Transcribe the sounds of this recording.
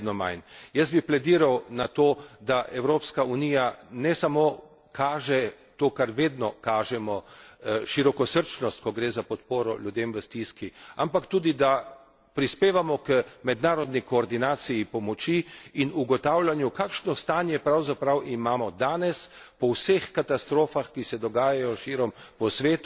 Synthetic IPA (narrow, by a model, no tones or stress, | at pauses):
d̪nɔma̰jnjɐsbiplɛd̪iɾawnat̪oːd̪aʔɛwɾoːpskaunijanɛsamo | kʰaːʒɛ | t̪oːkaɾʋeːd̪nɔkaːʒɛmɔʃiɾɔkɔsəɾt͡ʃnɔst̪̚kɔɡɾeːzapɔt̪poːɾɔlʲjud̪emʋəst̪iskiampakt̪uːd̪id̪a | pɾispeːʋamɔkəmɛd̪naːɾɔd̪nikɔːɾd̪inaːsijipɔmɔt͡ʃiːnuɡɔt̪aːwlʲanjukaːkʃnɔst̪aːnjɛpɾawzapɾawʔimaːmɔd̪aːnɛspɔwsexkat̪ast̪ɾoːfaxkisɛd̪ɔɡaːjajɔʃiɾɔmpɔsʋeːt̪u